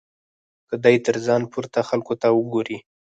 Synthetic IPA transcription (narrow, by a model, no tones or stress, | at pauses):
kəd̪ɑjt̪əɾzɑnpuɾt̪axalkot̪awəɡoɾi